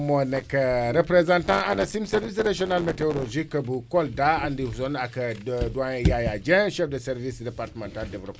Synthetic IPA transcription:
monekɐɾepɾezãntãanasimseɾvis̬ɾaʒionalmeteoloʒikːɐbukoldaandihusonakɐdwãjajad͡ʒɛ̃ʃɛfdəsɛɾvisdepaɾtəmãntaldevlop

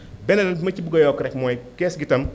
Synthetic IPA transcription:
bɛnɐnɐnmɐt͡ʃibɡɔjɔkɾɛkmɔjkɛːsɡitɐm

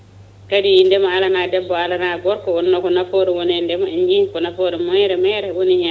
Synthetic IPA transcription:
kadijindɛmaalanadɛbːɔalanaɡɔɾkɔɔnːɔkɔnafoɾɛwɔnɛndɛmaɛɲd͡ʒikɔnafoɾɛmɔjɾɛmɛjɾɛwonihi

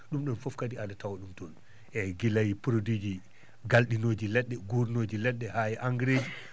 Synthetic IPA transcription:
ɗumɗɔnfɔfkadiadatawaɗumtɔn | ɛɡilajipɾodid͡ʒi | ɡalɗinoːd͡ʒilɛɗːɛɡuɾnod͡ʒilɛɗːɛhajɛʔaŋɡɾeːd͡ʒi

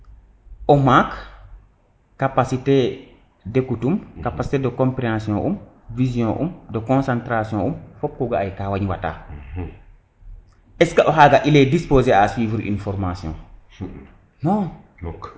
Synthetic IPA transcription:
ʔɔmak | apasite | dekutumkapasi̥tedəkɔ̃mpɾeãsjɔ̃ʔum | vizjɔ̃ʔṵmdəkɔ̃nsãntɾasjɔ̃ʔumfɔpːuɡaajkawaɲwata̰ː | ʔɛskaʔɔɦaɡaʔilɛdispoːzeaswiːvɾʔḭnfɔɾmasjɔ̰̃ː | nɔ̃ː

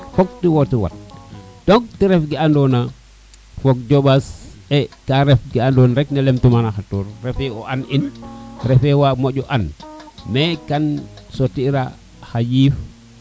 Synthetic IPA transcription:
fok̚tiwotiwa̰t̚d̥ok̚tiɾefɡiandona | fok̚d͡ʒoɓasekaɾefɡiandonɾeknelemtumanaxatuɾɾefeoʔaninɾɛfewamoɟɔʔanmekansotiɾa | xajiːf

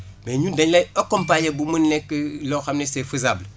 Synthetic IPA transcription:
beɲundaɲleokompajebumunnekloxamnesefuzaːbl

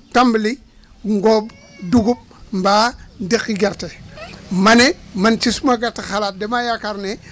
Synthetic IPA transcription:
tambili | ŋɡob | duɡub̚mbandikiɡeɾtemanemant͡ʃisumaɡaɾtexalat̚demajakaɾne

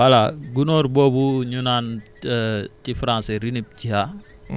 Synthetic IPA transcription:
walaɡunoɾbobuɲunan | tifɾãnseɾinip̚t͡ʃiɦa

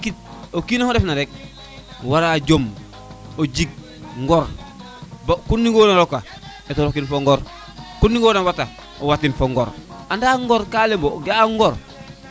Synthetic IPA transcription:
kit̚okinahoɾefnaɾek̚ | waɾaɟom | oɟiɡ̚ | ŋɡoɾ | bakunːiɡoːnaɾoka | etoɾokinfoŋɡoɾ | kunːiɡonawata | owatinfoŋɡo̰ɾandaŋɡoɾkalemboɡaŋɡoɾ

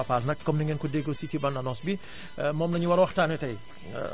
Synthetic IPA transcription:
ɐpaːlnɐkːɐmniŋɛnkudeɡositibɐndɐnɔsbi | mɔmnɐɲuwɐɾwɐxtaːnɛtɐj

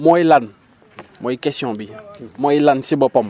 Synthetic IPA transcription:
mɔilan | mɔikɛsjɔ̃bimɔilansibɔpɔm

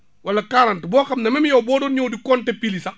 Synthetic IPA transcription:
wɐlːɐkaːɾɐntbɔːxɐmnɐmɛmjɔːwbɔːdɔːnɲɔːdikɔntɛpilisɐ

